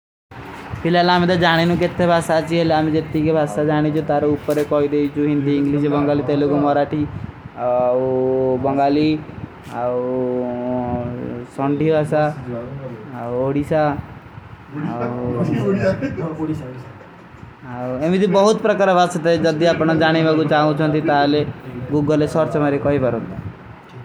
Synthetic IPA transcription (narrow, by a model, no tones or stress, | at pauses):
pʰɪlaːlaːmẽd̪aːd͡ʒaːɽ̃enũːk̬ɪt̪ʰːebʱaːsat͡ʃielamẽd͡ʒet̪ːikebʱaːsaːd͡ʒaːɽ̃it͡ʃot̪aːɾoupːəɾekɔːid̪et͡ʃuɦɪ̃nd̪iːɪ̃ŋɡliːʃbəŋɡaːliːt̪elokomɔɾaːʈiː | bəŋɡaːliː | sɔ̃ːɳɖʱiːbʱaːsa | oɽisa | emit̪ibʌɦut̪pɾʌkaɾɔbast̪ʌt̪aed͡ʒʌd̪iapɽ̃ɔd͡ʒaɽ̃ibakut͡ʃaɦũt͡ʃʰʌnt̪it̪aɦaleɡuɡʌlesʌɾt͡ʃmaɾekɔɦibaɾɦũnd̪a